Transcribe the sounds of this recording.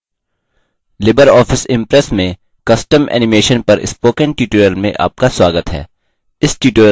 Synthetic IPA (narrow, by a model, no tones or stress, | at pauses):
lɪbəɾɔːfʰɪsɪ̃mpɾɛsmẽ | kɐsʈəmɛ̰ːnɪmeːʃənpɐɾɪ̰spoːkə̃nʈiːʈoːjəlmḛ̃ʔa̰ːp̚kaswaːɡət̪ɦɛ̰ː | ɪsʈiːʈoːjə